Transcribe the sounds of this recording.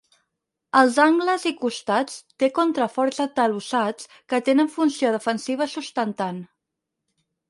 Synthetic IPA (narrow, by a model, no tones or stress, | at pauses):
əlˠzaŋɡləzikust̪at͡st̪ekont̪ɾəfɔɾzət̪əlusat͡s | kət̪enəɱfunsioðəfənsiβ̞əsust̪ənt̪an